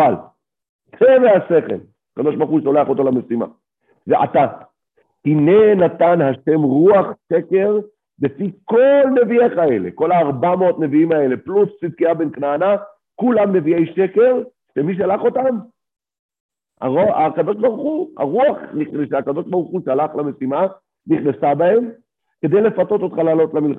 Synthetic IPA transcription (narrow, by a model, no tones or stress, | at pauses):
al | t͡sʰevehase̞χe̞̰l | akad̪o̞ʃbaʁχuʃoleaχo̞t̪o̞lamesima̰ | veʔa̰t̪a | tine̞nat̪anhaʃe̞mʁuaχʃe̞ke̞ʁ | befiko̞lne̞viekae̞le̞̰ko̞laːʁbameot̪ne̞viimae̞le̞plust͡sid̪̚kiabenknaana | kulamne̞viejʃe̞ke̞ʁ | ʃemiʃ̬alaχo̞t̪am | a̰oakad̪o̞ʃbaʁuχuha̰ʁuaχniχeʃeakad̪o̞ʃbaʁuχuʃalaχlame̞sima | niχnesabae̞m | ke̞d̪e̞jle̞fat̪o̞t̪o̞t̪χalalo̞t̪lamilχa